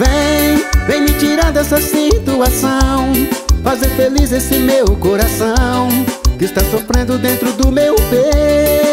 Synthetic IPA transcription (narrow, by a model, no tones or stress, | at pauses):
vẽj̃vẽj̃mɪt͡ʃiɾɐ̃d̪ʊɛsɐsit̪uasɐ̃w̃fazeɾfelizesɪmewkoɾasɐ̃w̃kɪst̪asofɾẽnd̪ʊd̪ẽnt̪ɾʊd̪ʊmewpe